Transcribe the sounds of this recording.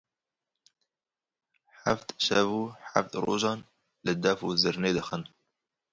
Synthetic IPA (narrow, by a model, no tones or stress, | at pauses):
ħaft̪ʃɛvuːħa̰ft̪ɾo̰ːʒɑːn | lɨd̪æfuzɨɾneːd̪əxən